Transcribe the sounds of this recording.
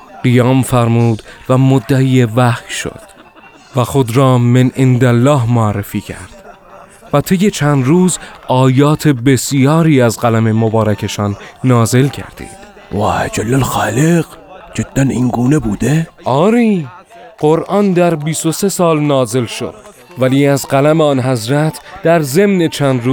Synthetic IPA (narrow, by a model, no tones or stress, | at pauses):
ɢijɒːmfæɾmuːd̪væmod̪ːæiːevæxjʃo̰d̪̥ | væxo̞d̪ɾɒːmenʔend̪ælːɒːɦmoærːefiːcʰæ̰ɾd̪̥ | væt̪ʰe̞jːe̞t͡ʃʰænd̪ɾuːzɒːjɒːt̪ʰe̞be̞sijɒːɾiːæzɢælæme̞mobɒːɾækʰe̞ʃɒːnːɒːze̞lcʰæ̰ɾd̪̥ḭːd̪̥ | wa̰æd͡ʒælːælxaːleqd͡ʒed̪̥ːæniŋɡuːnebuːd̪eʔɒːɾiː | ɢ̥oɾʔɒnd̪æɾbiːst̪o̞se̞sɒːlnɒːze̞lʃo̰d̪̥ | væliːæzɢælæmeɒːnɦæzɾæt̪ʰd̪̥æɾze̞mne̞t͡ʃʰænd̪ɾuː